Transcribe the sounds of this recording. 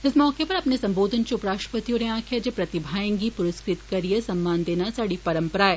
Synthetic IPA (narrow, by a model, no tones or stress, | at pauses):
ɪsmɔːkepɐɾɐpnesɐ̃mboːd̪ʱənt͡ʃʊpɾaːʃʈɾəpɐt̪ijõnẽãːkʰjad͡ʒepɾɐt̪ɪbʱaːẽŋɡipʊɾɪskɾɪt̪kɐɾiesɐmːaːnd̪eːnasaːɽipɐɾə̃mpəɾaːeː